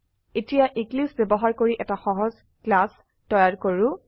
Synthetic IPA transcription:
etijaʔiɡlisbebɔɦaɹkoɹiʔɛtaxɔɦɔz | klas | tɔjaɹkoɹʊ

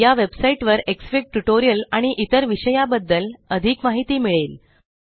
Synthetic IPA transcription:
jaʋebsaiʈʋəɾeksfik̚ʈuʈoɾijəlaɽ̃iʔit̪əɾʋiɕəjabəd̪ːələd̪ʱikmaɦit̪iːmiɭeːl

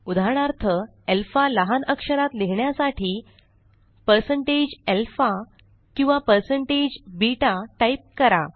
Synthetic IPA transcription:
ud̪ʱaɽ̃aɾt̪ʰə | elfaləɦanəkʂəɾat̪leɦɳjasaʈʰiː | pəɾsəɳʈed͡ʑelfa | kĩw̃ʋapəɾsəɳʈed͡ʑbiʈaʈaip̚kəɾa̰

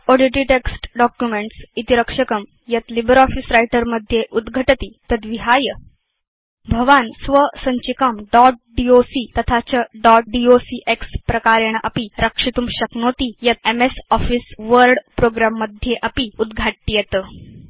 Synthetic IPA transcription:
oɽiʈɾiʈeksʈɖɔkjumeɳʈsit̪iɾəkʂəkəm | jət̪libəɾɔfisɾajʈəɾməd̪ʱjeʔud̪ɡʱəʈət̪iːt̪əd̪ʋiɦajə | bʱəʋansʋəsəɲt͡ɕikamɖɔʈ̚ɖiosiːt̪ət̪ʰat͡ɕəɖɔʈ̚ɖiosiʔekspɾɐkaɾeɳ̃ʔɐ̰piɾəkʂit̪uːmɕəknot̪ijət̪̚emesɔfiːsʋəɾɖpɾoɡɾamːəd̪ʱjeʔəpiud̪ɡʱaʈ̪̚ːijet̪ə

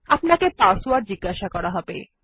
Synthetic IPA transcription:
apnakepaswaɾd͡ʑiɡːaʃakɔɾaɦɔbḛ

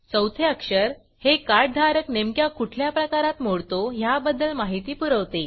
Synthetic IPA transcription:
t͡səwt̪ʰeəkʂəɾ | hekaɖ̚d̪ʱaɾəknemkjakuʈʰljapɾəkaɾat̪moɽt̪oɦjabəd̪əlmaɦit̪iːpuɾəʋt̪e

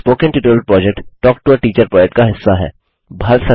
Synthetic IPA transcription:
spoːkɪ̃nʈɪʈɪɾəlpɾɔːd͡ʒek̚ʈʈɔːk̚ʈuəɾʈiːt͡ʃəɾpɾɔːd͡ʒek̚ʈ̚kaɦɪsːaɦɛ̰ː | bʱɐɾsɐ

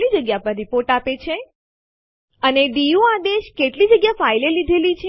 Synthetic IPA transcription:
lid͡ʒəɡjapə̃ɾɾipoɾʈapet͡ʃʰe | əneɖijuad̪eʃkeʈlid͡ʒəɡjafailelid̪ʱelit͡ʃʰe

